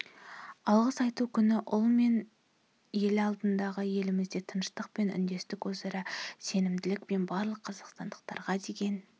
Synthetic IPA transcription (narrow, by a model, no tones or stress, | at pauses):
ɑlˠʁəsɑjt̪ukʲʰʏnɪʔʊlˠme̞n | je̞lɪɑlˠd̪ənd̪ɑʁəje̞lɪmɪzd̪e̞t̪ʰənʃt̪əq̚pe̞nʏ̰nd̪e̞st̪ɪkwɵzɑɾɑse̞nɪmd̪ɪlɪk̚pe̞nbɑɾlˠəqʰːɑzɑqst̪ɑnd̪əqt̪ɑɾʁɑd̪e̞ɡʲe̞n